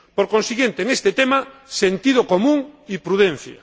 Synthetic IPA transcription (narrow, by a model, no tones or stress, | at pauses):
poɾkonsiɣjent̪eːŋest̪et̪emasent̪ið̞okomũŋipɾuðen̟θja̰